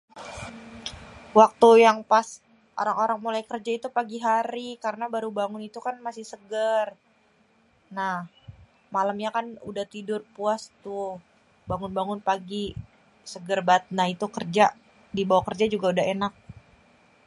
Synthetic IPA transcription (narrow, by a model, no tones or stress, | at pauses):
wak̚t̪ujaŋpas | ʔo̰ɾaŋoɾaŋmulajkərd͡ʒait̪upaɡiɦaɾikaɾənabaɾubaŋʊnit̪ukanmasɪhsəɡər | nah | malamɲakanṵdaht̪idʊrpuast̪ʊ | baŋʊnbaŋʊnpaɡi | səɡərbat̪̚nait̪ukərd͡ʒa | dibawakərd͡ʒad͡ʒuɡaudaɦenak̚